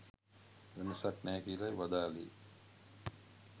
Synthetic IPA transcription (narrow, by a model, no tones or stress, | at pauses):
ʋenəsaʈnɛːkiəlajʋad̪aːlḛː